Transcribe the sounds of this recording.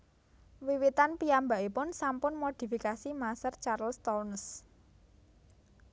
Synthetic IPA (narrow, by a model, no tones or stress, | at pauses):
wiwit̪anpiambaʔipʊnsampʊnmod̪̥i̤fikasimasərt͡ʃarlst̪ɔns